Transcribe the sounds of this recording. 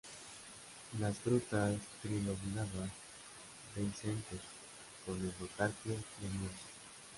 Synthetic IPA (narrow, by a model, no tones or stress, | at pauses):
lasfɾut̪ast̪ɾiloβnaβan | d̪einsent̪os | poneβot̪aɾkjojemus